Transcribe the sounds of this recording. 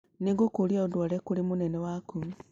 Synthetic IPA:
niŋɡukuljaodwolekulimunenewaku

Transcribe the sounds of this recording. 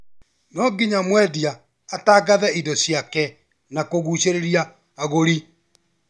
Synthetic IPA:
nɔɡiɲamwɛdiaː | taɡaðɛidɔsjakɛ | nakoɣuɕeɾeɾjaː | ɣoɾi

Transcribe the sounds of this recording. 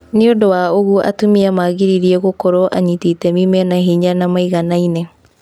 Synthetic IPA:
neodowaoɣuʔa̰tomiamaɣiɾiɾiɛɣokɔɾɔʔaɲititɛmimɛnaɦiɲanamaiɣanaine

